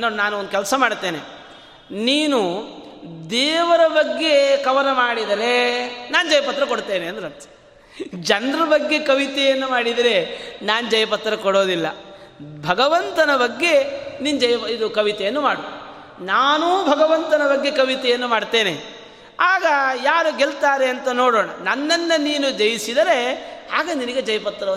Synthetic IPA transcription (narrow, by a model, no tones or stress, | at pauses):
nːoːnaːnuond̪kɛlsɐmaːɽt̪e̞ːne | niːnu | d̪eːʋɐɾɐbɐɡːe̞kɐʋɐnɐmaːɽid̪ɐɾe̞naːnd͡ʒɐjɐpɐt̪ɾɐkoɽt̪eːneɐnd̪ɐɾɐɾt̪ʰɐ̥ | d͡ʒɐnɾɐbɐɡːe̞kɐʋit̪ɛjɐnːumaːɽid̪ɐɾe̞naːnud͡ʒɐjɐpɐt̪ɾɐkɔɽo̞ːd̪ilːɐ̰bʱɐɡɐʋɐnt̪ɐnɐbɐɡːe̞nind͡ʒɐjɐid̪ukɐʋit̪ɛjɐnːumaːɽoː | naːnuːbʱɐɡɐʋɐnt̪ɐnɐbɐɡːe̞kɐʋit̪ɛjɐnːumaːɽt̪e̞ːne | aːɡɐjaːɾuɡelt̪aːɾe̞ɐnt̪ɐnoːɽoːɳɐ̰nɐnːɐnːɐniːnud͡ʒɐjisid̪ɐɾe̞aːɡɐniniɡed͡ʒɐjɐpɐt̪ːɾɐ